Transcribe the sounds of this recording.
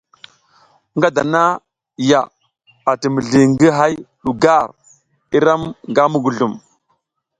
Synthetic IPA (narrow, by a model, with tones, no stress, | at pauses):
ŋɡa˦da˨na˦ | ja˨ | a˨tə˨mə˨ɮi˨ŋɡə˦ɦa˦jɗu˨ɡa˦˨ɾ | i˦ɾa˦mŋɡa˦mu˦ɡu˨ɮu˨m